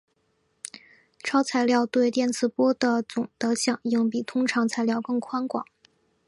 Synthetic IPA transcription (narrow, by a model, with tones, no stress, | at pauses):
ʈ͡ʂʰɑ˥ʊt͡sʰa˧˩ɪljɑ˥˧ʊt̪we˥˧ɪt̪jɛ˥˩nt͡sʰɹ̩˨˧˩pwɔ˥d̪ə˨t͡sʊ˨˩ŋt̪ɤ˧˥ɕjɑ˨˩ŋji˥˩ŋpi˨˩t̪ʰʊ˥ŋʈ͡ʂʰɑ˧˥ŋt͡sʰa˧˥ɪljɑ˥˧ʊkɤ˥˩ŋkʰwa˥nkwɑ̰˨˩˦ŋ